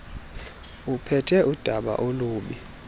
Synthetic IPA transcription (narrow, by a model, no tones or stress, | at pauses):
upʰɛtʰɛʔud̥ʱaɓa̰ʔoluːɓi